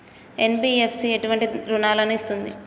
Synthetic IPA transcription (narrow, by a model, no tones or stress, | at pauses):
enbiːepʰsieʈuʋɐɳʈiɾunaːlɐnuist̪und̪i